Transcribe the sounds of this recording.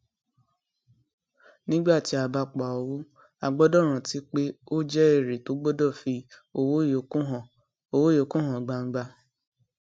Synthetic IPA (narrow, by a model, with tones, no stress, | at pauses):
nĩ˦ɡ͡ba˦˨ti˨˦a˨ba˧k͡pa˨ɔ˧wu˦ | a˧ɡ͡bɔ˦dɔ˦˨ɾ̃ã˨ti˨˦k͡pe˦o˦d͡ʒɛ˦e˦˨ɾe˨to˨˦ɡ͡bɔ˦dɔ˦˨fi˧ | o˨wo˦jo˨u˦ɦɔ̃˨ | o˨wo˦o˨˦kũ˦ɦɔ̃˨ɡ͡ba˧ŋ̩˦ɡ͡ba˧